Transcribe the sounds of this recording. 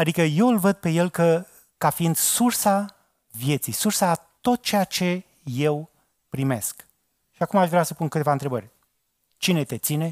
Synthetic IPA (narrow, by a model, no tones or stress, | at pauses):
ad̪ikəje̞wɨlvəd̪̚pe̞je̞lkə | kafiind̪sursa | vje̞t̪sijsursat̪o̞t̪̚t͡ʃejat͡ʃe̞ | je̞w | pɾime̞sk | ʃiakumaʃvɾeasəpunkɨt̪e̞vaɨnt̪ɾebərʲ | t͡ʃine̞t̪e̞t̪sine̞